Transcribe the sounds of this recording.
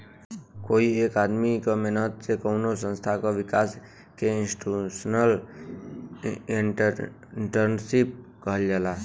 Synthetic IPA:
koːieːkad̪mikamenət̪sekəʊnosə̃nst̪ʰakaʋɪkaːs | keɪnsʈusnəl | ʈəɾnsip̚kəɦəld͡ʒalaː

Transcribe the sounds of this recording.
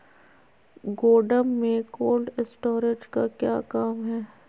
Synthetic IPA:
ɡoːɖəmːẽkoːlɖɪsʈoːɾɪd͡ʒkakja̰ːkaːmɦɛː

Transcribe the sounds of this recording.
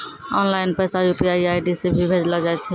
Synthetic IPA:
ɔ̰nlajnpəjsajupiaajɖisebʱibʱed͡ʒlad͡ʒaj̪t͡ʃʰɛ

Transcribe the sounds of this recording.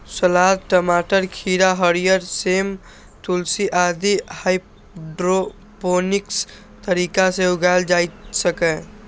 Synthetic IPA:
səlad̪̚ʈəmaʈəɾkʰiɾaɦəɾijəɾsem | t̪ulsiʔad̪ihaɪ | ɖɾo | poniks | t̪əɾikaseuɡald͡ʒajt̪səkɛ̃

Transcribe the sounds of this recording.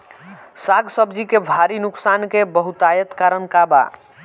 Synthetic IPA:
saɡsəbd͡ʒikebʱaɾinuksankebəɦut̪ajət̪kaɾənkaba̰

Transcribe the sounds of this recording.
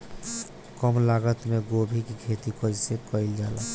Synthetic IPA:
kɔmlaɡət̪meɡobʱikikʰet̪ikɔd͡ʒsekəɪld͡ʒala

